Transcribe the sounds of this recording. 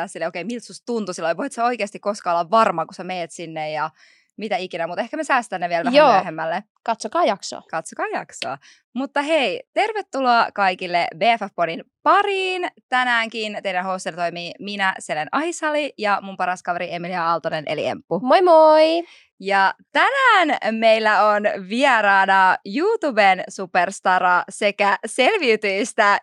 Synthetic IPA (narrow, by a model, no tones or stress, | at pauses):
æsilːeokeimilt̪sust̪unt̪usilːoiʋoit̪sæo̞ikeɑst̪ikːoskɑːolːɑʋʋɑrmɑkusæmeːt̪sinːejjɑ | mit̪æikinæmut̪ehkæmesæːst̪ænːeʋielʋæjoæːøhemːælːe | kɑt̪sokɑːjɑkso̰ɑ̰kɑt̪sokɑːjɑksoɑ | mut̪ːɑɦeit̪erʋet̪ːuloɑkɑikilːebeːæfæfponinpɑriːnt̪ænæːŋkint̪ejɾænɦoːst̪enɑt̪ojmiːminæselenʔɑhisɑlijɑmumpɑɾɑskɑʋeɾie̞miliɑɑlt̪onenʔḛlḭḛmpːumojmoi | jɑt̪ænæːnme̞ilːæonʋiɛɾɑːnɑjuːt̪ubensuperst̪ɑɾɑse̞kæselʋiyt̪yist̪æ